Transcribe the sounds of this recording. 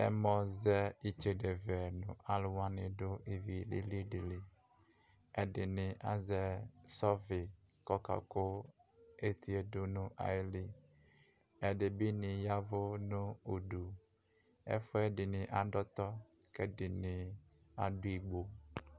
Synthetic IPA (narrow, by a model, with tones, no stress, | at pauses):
ɛ̰˦mɔ̃˨zɛ˦i˨t͡ʃe˨ɖe˨vɛ˨nʊ̰̃˨a˨lʊ˦wã˦nɪ̃˨ɖo˦i˨vi˨lḭ˦li˦di˨li˨ | ɛ˦ɖɪ˨nɪ̃˨ʔa̰˨zɛ˦sɔ˦vɪ˨ | kɔ˦ka̰˨ko˦ | e˦t̪ʰi˦e˨do˦nũ˦ʔa̰˨˦li˦ | ɛ˨ɖe˨bi˦nɪ̃˨ja˦vo˦nũ˦u˨ɖu˨ | ɛ̰˦fo˦ɛ˦ɖɪ˨nɪ̃˨ʔa˨ɖɔ˦t̪ɔ˦ | kɛ˦dɪ˨nɪ̃˨ | a˨du˦i˨ɡ͡bo˦